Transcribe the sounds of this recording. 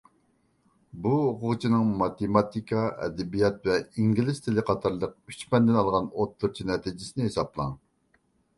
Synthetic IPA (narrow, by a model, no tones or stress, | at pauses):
buoqʰʊʁt͡ʃʰinɨŋmɑt̪emɑt̪ikʰɑɛ̰d̪ɛbijɑt̪̚vɛiŋɡʲilɪst̪ʰɪlɪqʰɑt̪ʰɑɾlˠəq̚yt͡ʃmɛnd̪ɪnɑlˠʁɑnot̪ʰːuɾt͡ʃʰinɛt̪ʰid͡ʒɪsɪnɪhesɑplˠɑ̰ŋ